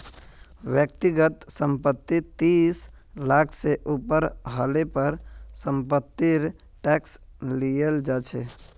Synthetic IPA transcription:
ʋjəkt̪iɡət̪səmpət̪ːit̪is | lakʰseʔupəɾɦəlepəɾsəmpət̪ːiɾ | ʈɛkslijeld͡ʒat͡ʃʰɛ

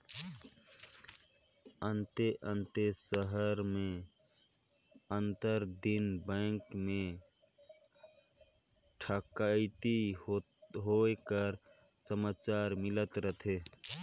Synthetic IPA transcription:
ənt̪eʔənt̪esəɦəɾme | ənt̪əɾd̪inbə̃ŋkme | ʈʰəkaɪt̪i | ɦokəɾsəmat͡ʃaɾmɪlət̪ɾət̪ʰe

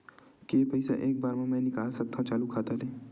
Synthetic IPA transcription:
kːpɐɪsa̰ʔeːk̚baːɾmãmɛ̃ːnɪkaːlsɐk̚t̪ʰãt͡ʃaːlukʰaːt̪aleː

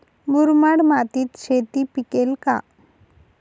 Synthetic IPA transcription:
muɾmaɽmat̪it̪ʃʰet̪ipikelka̰

